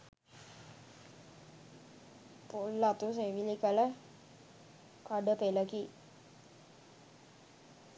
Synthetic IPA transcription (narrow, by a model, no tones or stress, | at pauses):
polːat̪us̬eʋilikələ | kaɖəpeləki